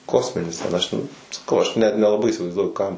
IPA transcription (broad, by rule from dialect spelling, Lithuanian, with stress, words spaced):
ˈkoːsʲmʲɪnʲɪs tʲɛn ˈɐʃ tʲɛn sɐˈkɐʊ ɐʃ ˈnʲɛt nʲɛlˠɐˈbɐɪ iːsʲɪʋɐɪzˈduɔjʊ ˈkɐm